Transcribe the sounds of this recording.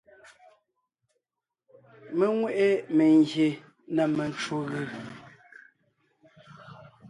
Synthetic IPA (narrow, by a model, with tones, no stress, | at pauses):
me˦ŋwe˦ʔe˦me˨ŋɡje˨ | na˨me˨n˦t͡ʃo˦ɣi˨